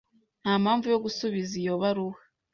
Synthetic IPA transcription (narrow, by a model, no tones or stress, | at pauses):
n̥hamaːɱvujo̞ɡusuβizijo̞βaɾuha